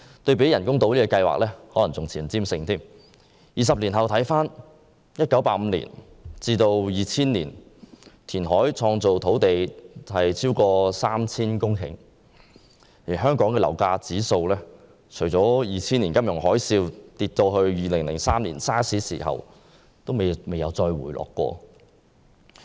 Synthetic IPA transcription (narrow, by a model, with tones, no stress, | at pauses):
t̪ɵ˧ɥp̬e˨˥jɐ˨˩nkʊ˥ŋt̪o˧wliː˥kɔ˧kɐ˧jwa̰ː˨k̚lɛː˥hɔː˨˥lɐ˨˩t͡sʊ˨ŋt͡sʰiː˨˩nt͡siː˥msɪ˧ŋt̪ʰiː˥m | jiː˨s̬ɐ˨p̚li˨˩nɦɐ˨wt̪ʰɐ˨˥jfaː˥n | jɐ˥t̚kɐ˨˥wpaː˧˥m̩˨˧lḭː˨˩n | t͡siː˧t̪o˧wjiː˨˩t͡sʰiː˥nlḭː˨˩nt̪ʰiː˨˩nɦɔː˨˥jt͡sʰɔː˧ŋt͡so˨wt̪ʰo˨˥wt̪e˨jhɐ˨jt͡sʰiː˥wkɔː˧saː˥mt͡sʰiː˥nkʊ˥ŋkʰɪ̰˨˩ŋ | jiː˨˩ɦœː˥ŋkɔː˨˥ŋkɛ˧lɐ̰˨˩wkaː˧t͡siː˨˥so˧wlɛː˥ | t͡ʃʰɵ˨˩jt͡sɔː˨˥jiː˨t͡sʰiː˥nli˨˩nkɐ˥mjʊ˨˩ŋhɔː˨˥jsiː˧wt̪iː˧t̚t̪ɔː˧ɦɵ˧ɥjiː˨lɪ˨˩ŋlɪ˨˩ŋsaː˥mlḭː˨˩nsaː˥sʰiː˨˥sḭ˨˩ɦɐ̰˨˩w | t̪o˥wme˨me˨˧jɐ˨˧wt͡sɔː˧jwṵː˨˩jlʔɔ̰ː˨kːɔ̰ː˧